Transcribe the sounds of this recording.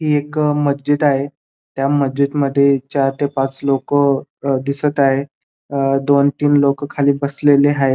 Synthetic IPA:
ɦiːekməd͡ʑit̪aɦe | t̪jaməd͡ʑit̪məd̪ʱːjet͡ɕjaɾt̪epat͡slokəd̪isət̪aɦe | d̪ont̪iːnlokəkʰaliːbəsleleɦaɦe

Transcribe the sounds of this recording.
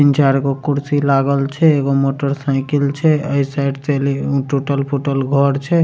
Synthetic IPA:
int͡ʃaɾkokuɾsilaɡəlt͡ʃʰɛeɡomoʈəɾsaɪkilt͡ʃʰɛəjsajɖt͡ʃeliʈuʈəlpʰuʈəlɡʱɔɾt͡ʃʰɛ

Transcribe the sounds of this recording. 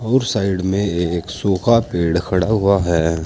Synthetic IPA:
ɔːɾsaːɪɖmẽeksuːxapeːɽkʰɐɽaɦʊaɦɛː

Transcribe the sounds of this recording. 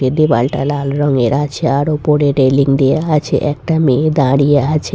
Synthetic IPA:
ed̪ebalʈalalɾɔŋeɾat͡ɕʰeaɾopoɾeɖeliŋd̪ejaat͡ɕʰḛʔɛkʈamed̪aɽijaat͡ɕʰe

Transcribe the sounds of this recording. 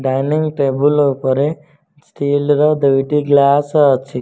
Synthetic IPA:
ɖajniŋɡʈeːbulopɐɾe | sʈiːlɾɐd̪ɐʋʈiɡlaːsɐt͡ʃʰːi

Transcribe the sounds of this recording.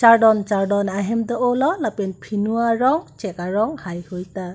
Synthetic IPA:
t͡ʃaɾdɔnt͡ʃaɾdɔnaɦɛmdɔʔɔlɔlapenpʰinuaɹɔŋt͡ʃɛkaɾɔŋhajhɯjta

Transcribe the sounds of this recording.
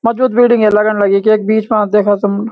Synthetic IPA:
mɔːd͡ʒbuːd̪biːɖɪ̃ŋɡeləɡənləɡikeːk̚biːt͡ʃmãd̪eːkʰət̪əm

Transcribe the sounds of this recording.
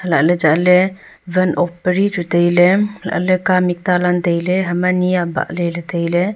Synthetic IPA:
həlaʔlɛd͡ʒaʔlɛ | ʋənɔpːəɾit͡ʃut̪əjlɛla̰ʔlɛkamik̚t̪alant̪əjlɛɦɐmanijaba̰ʔlɛlɛt̪əjlɛ

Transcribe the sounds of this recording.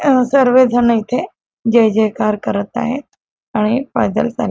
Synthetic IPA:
sɐɾʋed̪ʱənɐit̪ʰe | d͡ʑɐɦɪ̃d͡ʑekaːɾkɐɾət̪a̰ːɦe | aɽ̃epaːd̪ə̰lsaːl

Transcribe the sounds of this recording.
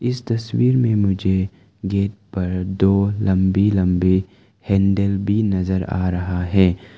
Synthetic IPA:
ɪst̪ɐswiːɾmẽmʊd͡ʒʱe | ɡeːt̪̚pɐɾd̪oːlɐ̃mbilɐ̃mbi | hɛ̃ːɳɖəlbʱinɐzəɾa̰ːɾɐɦaɦɛː

